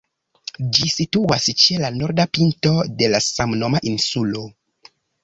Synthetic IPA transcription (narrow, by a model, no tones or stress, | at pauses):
d͡ʒisituast͡ʃe̞lanoɾdapinto̞de̞lasamno̞maʔinsulo̞